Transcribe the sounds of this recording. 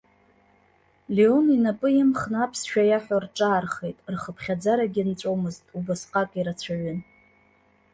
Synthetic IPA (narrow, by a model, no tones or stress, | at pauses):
leoninapʼɨjamχnapʰsʃᶣajaħʷᶣarʈ͡ʂʼaːrχejtʼrχəpʰχʲad͡zaɾaɡʲint͡sʷʼowmɨztʼubɨsqʼakʼiɾat͡ɕʷʰaɥʏn